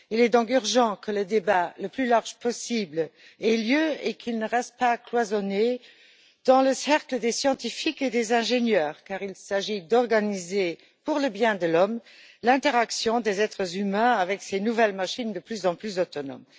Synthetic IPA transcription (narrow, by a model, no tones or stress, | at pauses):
ilɛd̪ɔ̃k̬yʁʒɑ̃kʰələd̪ebaləplylaʁʒpʰɔsibl | ɛljøekʰilnəʁɛst̪̚paklwazɔne | d̪̥ɑ̃ləsɛʁkləd̪esjɑ̃t̪ifiked̪ezɛ̃ʒenjœːʁkaːʁilsaʒid̪ɔʁɡanize | puʁləbjɛ̃d̪əlɔm | lɛ̃t̪eʁaksjɔ̃d̪ezɛt̪χəzymɛ̃avɛksenuvɛlmaʃind̪əplyzɑ̃plyzot̪ɔnɔ̰m